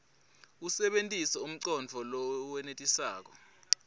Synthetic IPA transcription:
usɛɓentʼisɛum̩ǀɔnd͡vʱɔlɔwɛnetʼisaːk̬ɔ̰

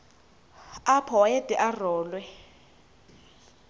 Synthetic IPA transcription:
apʰɔwaed̥ʱʼɛʔarɔːlwɛ

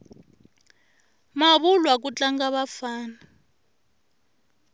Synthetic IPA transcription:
maβulwak̬ut͡ɬaŋɡaβafaːna

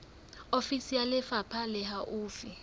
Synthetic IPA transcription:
ofisijalɪfapʰalɪɦaʔʊːfi

